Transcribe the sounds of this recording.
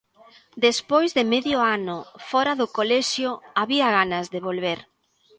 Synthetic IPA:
d̪espojzðɪmɛðjoanʊfɔɾaðʊkolɛʃjʊaβiaɣanɐzðeβ̞olβeɾ

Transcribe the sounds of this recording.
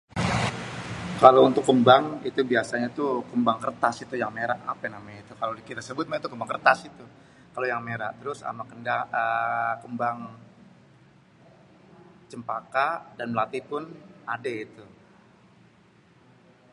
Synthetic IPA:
kalount̪ʊkːəmbaŋit̪ubiasaɲat̪ukəmbaŋkərt̪asit̪ujaŋmeɾaʔapɛnamajait̪ukalolkit̪asəbʊt̪̚mait̪ukəmbaŋkərt̪asit̪u | kalojaŋmeɾa̰ʔt̪əɾʊsa̰makəndaəkəmbaŋ | t͡ʃəmpakadanməlat̪ipʊnadeit̪u

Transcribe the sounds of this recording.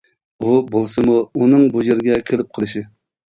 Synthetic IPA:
ubolˠsɨmuunɨŋbujeɾɡʲɛkʲʰelɪp̚qʰəlˠɨʃi

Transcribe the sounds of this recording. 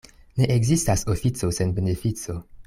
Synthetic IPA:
ne̞ʔeɡzistasofit͡sosenbenefit͡so

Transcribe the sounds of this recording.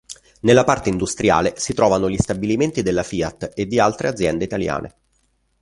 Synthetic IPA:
nelːapart̪eind̪ust̪ɾja̰ːlesit̪ɾʔɔːvanoʎist̪abiliment̪id̪elːafiːat̪ːed̪ːialt̪ɾʔead̪zːjɛnd̪eit̪alja̰ːnʔḛ

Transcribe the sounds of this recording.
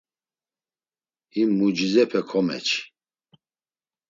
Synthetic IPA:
imːud͡ʒizɛpʰɛkʰɔmɛ̰t͡ʃʰ

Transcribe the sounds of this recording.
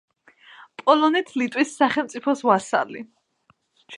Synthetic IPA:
pʼɔlɔnit̪ʰlit̪ʼwisːaχɛlˠmt̪sʼipʰɔsvasa̰li | t͡ʃʰ

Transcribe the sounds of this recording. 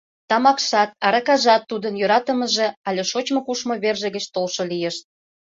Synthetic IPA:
t̪ɑmɑkʃɑt̪̚ɑɾɑkɑʒɑt̪ːud̪ənjøɾɑt̪ə̆mə̆ʒeɑlʲeʃot͡ɕmŏkuʃmoβerʒə̆ɣə̆t͡ɕt̪olʃolijeʃt̪̚

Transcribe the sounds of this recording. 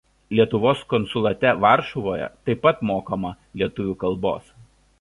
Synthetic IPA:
lʲiɛt̪ʊʋoːskɔnsʊlˠɐt̪ʲɛʋɑˑɾʃɔʋoːjɛ̰t̪ɐɪpːɐt̪moːkomɐ | lʲiɛt̪ʊʋʲuːkɐlˠˑbo̰ːs

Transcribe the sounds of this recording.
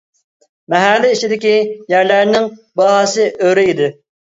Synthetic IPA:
mɛɦælːiit͡ʃid̪ɪkʲijæɾlæɾnɪŋbɑɦɑsɨʔøɾɪid̪ɪ

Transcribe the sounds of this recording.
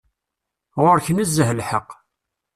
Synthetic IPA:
ʁʊɾçənəzːəhlħəqː

